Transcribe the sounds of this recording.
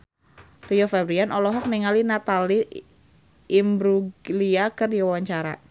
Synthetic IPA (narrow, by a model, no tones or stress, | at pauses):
riɔfabɾianʔɔlɔɦɔk̚niŋalinat̪ali | ʔːmbɾuɡliakɨrdiwawaɲt͡ʃaɾa̰